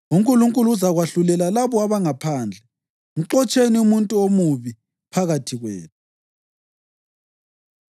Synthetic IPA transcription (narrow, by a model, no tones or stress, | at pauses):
uŋkʼuluŋkʼuluuzaɣwaɬulɛlalaβɔaβaŋapʰaːnd͡ɮʱɛ | ŋuǁɔt͡ʃʼeniumuntʼuomuβi | pʰaɣatʰiɣwḛːnʰu